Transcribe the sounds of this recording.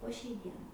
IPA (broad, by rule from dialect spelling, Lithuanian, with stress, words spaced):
poː ʃʲɛɪ ˈdʲiɛnɐɪ